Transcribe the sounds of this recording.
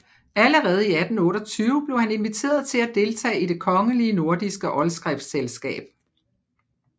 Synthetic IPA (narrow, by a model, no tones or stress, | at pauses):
æləʁɛːð̞̩ˠiæd̥n̩ɔ̽ːɾɒ̽t͡sʰyːʊəb̥le̝ʊhæne̝nʋit͡sʰe̝̰ːɐðˠt͡sʰe̝læd̥e̝lt͡sʰɛ̰ːid̥e̝kʰɒ̽ŋəliəno̝ɐd̥isɡ̥əʔɒ̽lsɡ̥ʁɛfselsɡ̥ɛ̰ːb̥